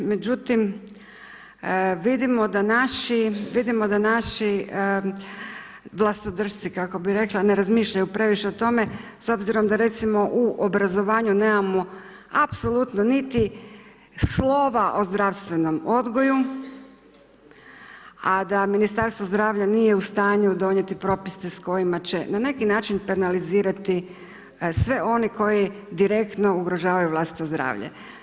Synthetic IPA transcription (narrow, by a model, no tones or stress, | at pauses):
me̞d͡ʑut̪im | ʋid̪imo̞d̪anaʃiʋid̪imo̞d̪anaʃi | ʋlˠasnod̪r̩ʃt̪sikako̞biɾe̞klˠane̞ɾazmiːʃʎajupɾe̞ʋiʃe̞ot̪o̞me̞so̞bziɾo̞md̪aɾe̞t̪simo̞ʔuʔobɾazo̞ʋaːɲune̞ːmamo̞ | apso̞lˠut̪nonit̪i | slˠo̞ʋaʔo̞zd̪ɾaʋst̪ʋe̞no̞mo̞d̪ɡo̞ju | ad̪aminist̪aɾst̪ʋo̞zd̪ɾaːʋʎanije̞ust̪aːɲud̪o̞ɲet̪ipɾo̞pist̪esko̞jimat͡ɕe̞nane̞kinaːt͡ʃinpenaliziːɾat̪i | sʋe̞ʔo̞niko̞ji | d̪iɾe̞kt̪no̞uɡɾo̞ʒaːʋajuʋlˠast̪i̥t̪ozd̪ɾa̰ːʋʎḛ